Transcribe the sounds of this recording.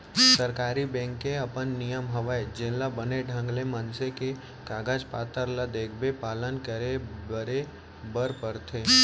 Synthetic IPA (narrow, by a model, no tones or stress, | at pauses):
səɾkaːɾibɛ̃ːŋkːeɐpənːijəmɦəʋaed͡ʒɪlabəneɖʱə̃ŋɡlemənseke | kaːɡaːd͡ʒpaːt̪əɾlad̪eːkʰbepaːlənkəɾebəɾe | bəɾpəɾt̪ʰeː